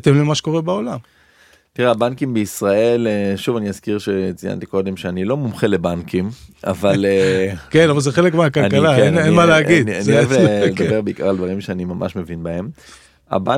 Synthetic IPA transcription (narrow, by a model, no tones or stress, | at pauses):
t̪emlimaʃe̥ko̞ʁebaolam | tiʁeabankimbeisʁae̞leʃuvaniazkiʁʃe̞t͡sija̰nt̪iko̞d̪e̞mʃeanilo̞mumχelebankima̰valkenavalzeχelekmeakalnkalaenenmaleaɡid̪anioeveled̪abe̞ʁbeika̰ʁald̪vaʁimʃeanimamʔa̰ʃme̞vinbae̞m | a̰ba